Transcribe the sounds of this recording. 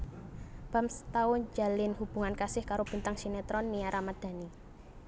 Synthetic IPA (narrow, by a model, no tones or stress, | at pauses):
b̥a̤mst̪aʊɲd͡ʒa̤lɪnɦub̥ṳŋankasɪhkaɾob̥i̤nt̪aŋsinɛt̪ɾɔnːiaɾʔamad̪̥a̤ni